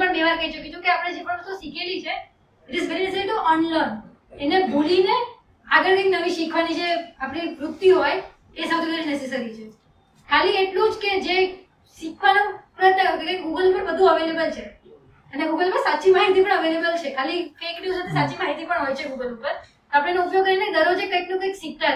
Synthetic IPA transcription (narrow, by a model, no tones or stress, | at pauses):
pəɳd̪eʋaɾkəɦit͡ʃəkit͡ʃʰũkeapəɽ̃ed͡ʒepəɳəst̪osikʰelit͡ʃʰe | eʈɪzɡəɾinesaɾit̪oʔɔnlən | enebʱuline | aɡəɾkəinəʋiʃikʰʋanid͡ʒeapɽiʋɾut̪ːiɦoj | esəwt̪ʰiɡəɾinɛses̬aɾit͡ʃʰe | kʰalieʈlũd͡ʒked͡ʒe | ʃikʰʋanopɾət̪jəkkəkeɡuɡəlpəɾbəd̪ʱũəʋelebəlt͡ʃʰe | əneɡuɡəlpəɾsat͡ʃimaɦit̪ʰipəɳəʋelebəlt͡ʃʰekʰalikəjkniusat̪ʰesat͡ʃimaɦit̪ʰipəɳɦojt͡ʃʰeɡuɡəlupəɾ | t̪oapəɽ̃enoupjoɡ̚kːəɾined̪əɾod͡ʒekəjknũkəjkʃik̚t̪a